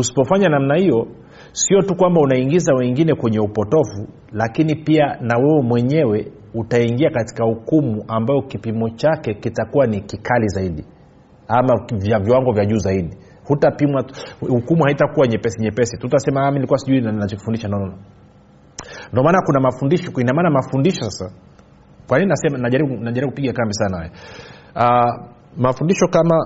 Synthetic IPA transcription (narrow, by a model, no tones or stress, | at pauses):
usi̥pɔfaɲanam̩nahijɔ | siɔtukwambaunaiŋɡizawɛŋɡinɛkwɛɲɛupɔtɔvu | lakinipianawɛwɛmwɛɲɛwɛ | utaiŋɡiakati̥kahukumuʔambajɔkipimɔt͡ʃakɛkitakuwanikikʰalizaiɗi | amavjaviwaŋɡɔvjaʄuːzaiɗi | hutapimwahukumuhaitakuwaɲɛpɛsiɲɛpɛsitutasɛmaaminilikuwasiʄuinanat͡ʃɔki̥fundiʃandɔɔna | ndɔmaːnakunamafundiʃɔinamaːnamafundiʃɔsasa | kwanininasɛmanaʄaɾiɓunaʄaɾiukupiɠakambisanahajɛ | a | mafundiʃɔkama